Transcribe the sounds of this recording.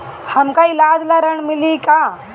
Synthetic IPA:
həmkailad͡zlaɾəɳmilika

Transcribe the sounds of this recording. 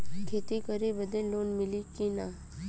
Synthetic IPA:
kʰeːt̪ikəɾibəd̪ẽloːnmɪlikinaː

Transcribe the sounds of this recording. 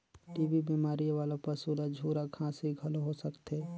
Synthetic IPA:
ʈiːbibiːmaːɾijʋaːlapɐsuːlad͡ʒʱuːɾakʰãːsɦiɡʱɐloɦosəkt̪eː

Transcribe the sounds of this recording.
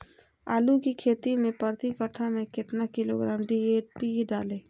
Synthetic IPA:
a̰ːlukikʰeːt̪imẽpəɾt̪ikəʈʰamẽkɪt̪nakɪlo̰ɡɾaːmɖiepiɖaːlẽː

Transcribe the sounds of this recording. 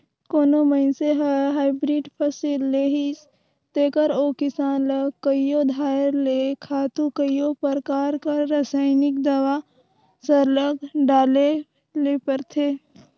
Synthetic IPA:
koːnoməɪnseɦɦaːɪbɾiːɖpʰəsilːeːɦis | t̪eːkəɾoːkɪsaːnləɡkːəjod̪ʱaːɾlekʰaːt̪ukəjjopəɾkaːɾkaɾasaːɪnɪkd̪əwa | səɾləɡɖaːle | leːpəɾt̪ʰeː

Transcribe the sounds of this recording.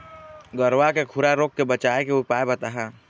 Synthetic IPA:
ɡəɾʋakekʰʊɾaɾoːkːebət͡ʃaːekeopaːebət̪aɦɛː

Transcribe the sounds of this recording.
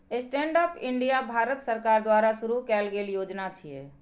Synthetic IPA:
esʈẽːɳɖaːpɪ̃ɳɖijabʱaːɾət̪səɾkaːɾd̪waːɾaʃʊɾukɛːlɡeːljoːd͡ʒnat͡ʃʰiɛː

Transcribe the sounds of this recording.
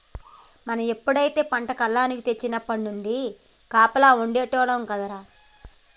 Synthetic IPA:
mɐnɐme̞pːuɽɐjit̪e̞ːpɐɳʈɐkɐlːaːnikit̪e̞t͡ʃːinɐpːɐɽnuɳɖi | kaːpɐlaːuɳɖeːʈɔːɽɐmkɐd̪ɐɾaː

